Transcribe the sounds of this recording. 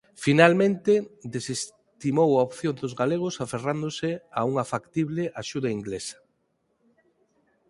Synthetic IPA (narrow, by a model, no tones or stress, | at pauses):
finalmẽnt̪ed̪eses | t̪imowaopθjond̪ozɣaleɣ̞osaferand̪osɪauŋafakt̪iβlɪʔaʃuðaiŋɡlesɐ̥